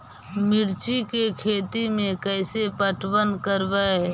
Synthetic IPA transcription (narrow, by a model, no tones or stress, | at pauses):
mɪɾt͡ʃikekʰeːt̪imẽkəɪsepəʈwənkəɾbə